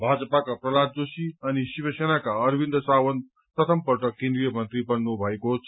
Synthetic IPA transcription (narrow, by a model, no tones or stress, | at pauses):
bʱad͡zʌpakaprʌlad͡zosiʌnisibʌsenakaʌɾbʱind̪ʌsawʌn | pɾʌt̪ʰʌmpʌrʈʌkẽnd̪ɾijʌmʌnt̪ɾibʌnnubʱʌekot͡sʰ